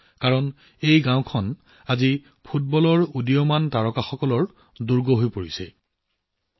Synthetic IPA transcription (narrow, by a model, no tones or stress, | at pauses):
kaɹɔn | ejɡãw̃kʰɔn | azi | pʰut̚bɔlɔɹudijɔmantaɹɔkaxɔkɔlɔɹ | duɹɡɔɦojpoɹisɛ